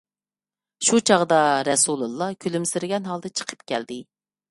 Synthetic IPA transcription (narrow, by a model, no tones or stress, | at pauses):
ʃut͡ʃʰɑʁd̪ɑɾɛsulˠulˠːɑkʲʰylymsɪɾɪɡʲɛnɦɑlˠd̪ɨt͡ʃʰə̥qʰə̥pkʲɛ̰ld̪ɪ